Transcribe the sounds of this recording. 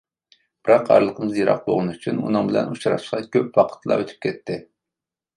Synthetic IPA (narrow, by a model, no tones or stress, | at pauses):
b̥ɨɾɑqæ̰ɾlˠəqʰəmɨzjeɾɑ̰q̚bo̰ʁɨnyt͡ʃʰynṵnɨŋbɪlɛ̰nut͡ʃɾɑ̰ʃqɑkʲʰøpwɑqʰə̥t̪lˠɑ̰øt̪ʰy̥p̚kʲɛt̪ʰːɪ